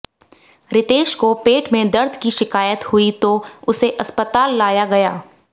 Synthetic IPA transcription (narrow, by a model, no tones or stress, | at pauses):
ɾɪt̪eːʃkopeːʈmẽd̪ɐɾd̪ʱkiʃɪkaːjət̪hʊit̪oʊseʔɐspət̪aːlːaːjaɡɐjaː